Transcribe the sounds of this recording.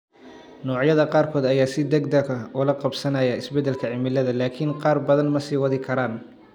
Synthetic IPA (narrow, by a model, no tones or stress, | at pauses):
nɔːʕjɐðɐqɑːrkʰɔːd̪ɐjaːsɪd̪ɐɡd̪ɐɡɐʊlɐqɑbsɐnɐjɐɪsbɛd̪ːɛlkʰɐʕɪmɪlɐðɐlaːkʰɪnqɑːrbɐðɐnmɐsiːwɑðɪkʰɐɾaːn